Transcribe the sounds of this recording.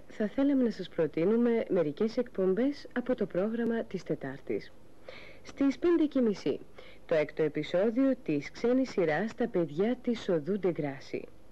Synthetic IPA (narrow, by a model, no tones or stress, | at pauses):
θɐθe̞lɐme̞nɐsɐspɾo̞t̪inume̞me̞ɾice̞se̞kpo̞mbe̞sɐpo̞t̪o̞pɾo̞ɣɾɐmɐt̪ist̪e̞t̪ɐɾt̪ḭs | st̪ispe̞nd̪e̞cemisḭ | t̪o̞ekt̪o̞e̞piso̞ðio̞t̪iskse̞nisiɾɐst̪ɐpe̞ðʝɐt̪iso̞ðud̪e̞ɡɾɐsḭ